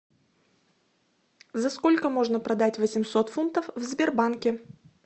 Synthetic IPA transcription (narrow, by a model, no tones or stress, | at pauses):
zɐsko̞lʲkəmo̞ʐnəpɾɐd̪atʲvəsʲɪmso̞t̪funt̪əfvzʲbʲɪrbankʲɪ